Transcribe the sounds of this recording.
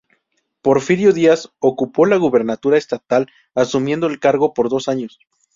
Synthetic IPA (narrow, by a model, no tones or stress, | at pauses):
po̞ɾfiɾjoðiaso̞kupo̞laɣuβe̞ɾnat̪uɾaest̪at̪al | asumje̞nd̪oe̞lkaɾɣo̞po̞ɾðo̞saɲo̞s